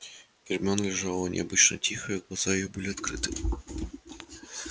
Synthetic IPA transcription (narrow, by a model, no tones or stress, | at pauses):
pʲɪrʲmʲonlʲɪʐalˠənʲʔɪ̰ɐbɨt͡ɕnə̰tʲixəjiɡlˠɐzaɪjobɨlʲɪɐt̪kɾɨt̪ɨ